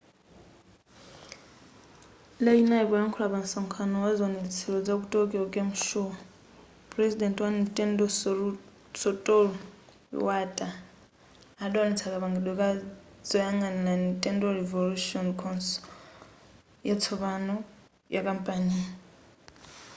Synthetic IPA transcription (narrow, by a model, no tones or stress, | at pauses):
lainaiβʼɔjaŋkʰɔlaβansaŋkʰanɔwazɔnɛt͡sʰɛɺɔd͡zakutʼɔkʼɛɔkʼemuʃɔ | pʼɾɛsidɛntʼwanitʼɛndɔ | sɔtʼɔlɔ̰ | watʼaː | ɗɔwanɛt͡sʰakaβaŋɡɛɗwɛkʼa | d͡zɔjaŋɡanɛnanitʼɛndɔɾɛvoluʃiɔnkʰɔns | jat͡sʰɔβanɔ | jakʼampʼani